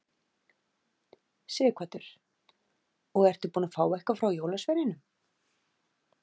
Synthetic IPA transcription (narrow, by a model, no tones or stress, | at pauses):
sɪːkʰat̪ʏɾ̥ | ɔɣɛr̥t̪ʏɾpuːnafaːwɛhkafɾawjoːwlasvɛɾɪnʏm